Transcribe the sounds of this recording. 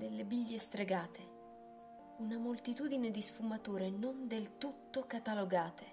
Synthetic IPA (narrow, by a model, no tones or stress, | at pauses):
d̪elːebiʎːest̪ɾeɡaːt̪e | unamolt̪it̪uːd̪ined̪isfumat̪uːɾenond̪elt̪ut̪ːokat̪aloɡaːt̪e